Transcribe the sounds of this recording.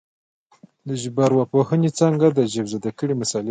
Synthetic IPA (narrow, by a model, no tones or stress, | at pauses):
d̪əʒbaɾwapohənit͡saŋɡad̪əʒabzəd̪akəɽimasɑli